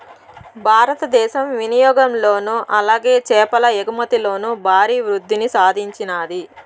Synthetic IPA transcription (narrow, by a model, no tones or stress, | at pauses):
bʱaːɾɐt̪ɐd̪ɛːʃɐmʋinijɔːɡɐmlo̞ːnuʔɐlaːɡeːt͡ʃɛːpɐlɐeɡumɐt̪ilo̞ːnubʱaːɾiːʋɾud̪ʱːinisaːd̪ʱiɲt͡ʃinaːd̪i